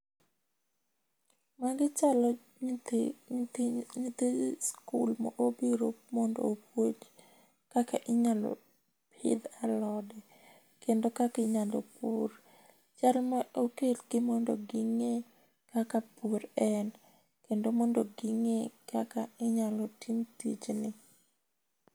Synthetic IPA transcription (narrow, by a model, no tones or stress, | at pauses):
maɡɪt͡ʃal | t | ɲit̪eskṵlmɔ̰ʔobiɾomɔndo̰opwot͡ʃ | kakaʔɪɲalɔ̰ | pʰɪ̰d̪alɔdɛ | kendokakɪɲado̰puɾ | t͡ʃalmaokelɡɪmɔndo̰ɡɪŋe | kakapoɾɛn | kendomɔndoɡɪŋekakaɪɲalɔtʰimtḭt͡ʃnɪ